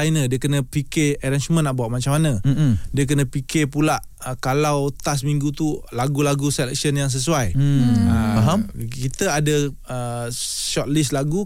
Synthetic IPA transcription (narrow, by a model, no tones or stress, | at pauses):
ajnədiəkənə̃pikɪɛɾansumə̃nːaʔbaaʔ̪̚mat͡ʃamanə̃diək̬ənə̃pikɪrpulaʔ | kalawt̪as̬miŋɡut̪ulaɡulaɡusɛlɛk̚siənjaŋs̬əs̬uajə | kit̪əadə | əʃɔt̪̚lislaɡu